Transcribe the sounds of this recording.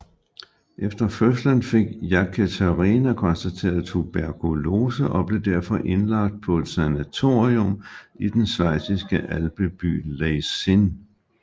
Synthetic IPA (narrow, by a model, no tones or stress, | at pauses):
ʔefd̥ɐføslənfe̝ɡ̥jɑkʰæt͡sʰæʁinækʰɒ̽nsd̥æt͡sʰe̝̰ːɐð̩ˠt͡sʰub̥æɐkʰulo̝ːsəʔɒ̽b̥le̝d̥æɐ̰fɒ̽ʔe̝nlɑ̈ɡ̥̚d̥̚pʰɒ̽e̝d̥sænæt͡sʰo̝̰ːʁiomid̥ensʋɑ̈ɪ̰sisɡ̥əʔælb̥əb̥y̰ːleɪsin